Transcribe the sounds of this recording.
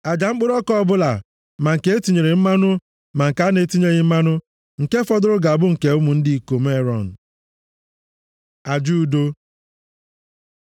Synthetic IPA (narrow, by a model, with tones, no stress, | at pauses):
a˨d͡ʒa˨ŋ͡m̩˦k͡pʊ˦ɾɔ˦kɔ˦˨bʊ˦la˨ | ma˨ŋ̩˨ke˨˦e˦tu˨ɲe˨ɾe˨m̩˦ma˦nʊ˦ | ma˨ŋ̩˨ka˨˦ne˨˦tu˦ɲe˦ɲɪ˦m̩˦ma˦nʊ˦ | ŋ̩˨ke˦fɔ˦dʊ˦ɾʊ˦ɡa˨a˨bʊ˦ŋ̩˨ke˨ʊ˦mu˨n̩˦dɪ˦˨ko˨m˦e˦ɾɔ˨n̩˨ | a˨d͡ʒu˦˨do˦